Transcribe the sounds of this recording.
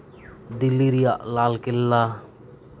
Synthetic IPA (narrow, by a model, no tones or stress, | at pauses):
d̪ilːiɾijaʔlaːlkɪlːa